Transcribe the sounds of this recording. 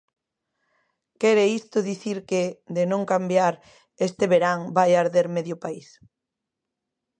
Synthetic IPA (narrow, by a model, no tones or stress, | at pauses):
kɛɾeist̪ʊðiθiɾked̪enõŋkambjaɾ | est̪eβeɾaŋbajaɾðeɾmeðjʊpais